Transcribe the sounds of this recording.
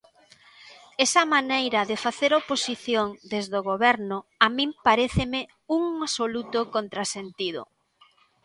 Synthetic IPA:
ɛsɐmanejɾɐðɪfaθeɾoposiθjoŋd̪ezðoɣoβɛɾnʊamĩmpaɾeθɪmɪ | uŋasolut̪ʊkont̪ɾasent̪ið̞ʊ̰

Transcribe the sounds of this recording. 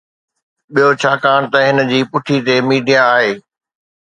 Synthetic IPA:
ɓijot͡ɕʰaːkaːɽ̃t̪ɐɦɪnə̆d͡ʑiːpʊʈʰit̪emiːɖʱijaːɦeː

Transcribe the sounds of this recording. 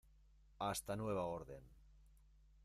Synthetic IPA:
ast̪anweβ̞aoɾðen

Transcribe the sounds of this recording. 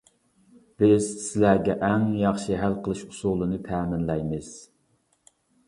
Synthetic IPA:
b̥ɪz̥sɪlæɡʲɛʔɛŋjɑχʃɨɦælqʰəlˠɨʃu̥sulˠɨnɨt̪ʰæːmɪnlɛjmɨz̥

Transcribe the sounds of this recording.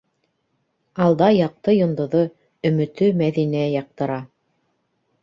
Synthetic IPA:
ɑlˠd̪ɑjɑq̚t̪ɤjŏnd̪ɤ̆ðɤ | ɵ̆mɘ̆t̪ɵmæðinæjɑq̚t̪ɤ̆ɾɑ

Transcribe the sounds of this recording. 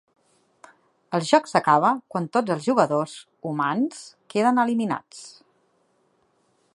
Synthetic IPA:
əlˠʒɔksəkaβ̞əkwant̪od͡zəlˠzʒuɣəðoz | umanskeðənəlimina̰t͡s

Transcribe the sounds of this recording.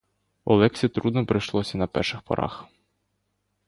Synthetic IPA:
ɔlˠɛksʲit̪ɾud̪nɔpɾɪjʃlˠɔsʲɐnɐpɛ̰rʃɪxpɔ̰ɾɑ̰x

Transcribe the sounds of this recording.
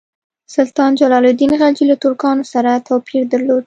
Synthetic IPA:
sʊlt̪ɑnd͡ʒalɑlod̪inɣad͡ʒilat̪ʊɾkɑnosaɾat̪ʰawpʰiɾd̪aɾlod̪

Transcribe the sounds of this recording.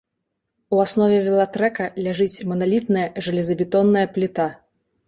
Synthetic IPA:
uasnɔvʲɛvʲɛlˠat̪ɾɛkɐlʲaʐɨt͡sʲmɐnalʲit̪nɐjɐʐɨlʲɛzɐbʲit̪ɔnːɐjɐplʲit̪a

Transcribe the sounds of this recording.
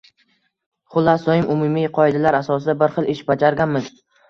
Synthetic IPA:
χʊlˠːasɒjɪmʊmumijqʰɒɪd̪alaɾasɒs̬ɪd̪abɪɾχɨlˠɪʃbad͡ʒaɾɡʲanmɪz

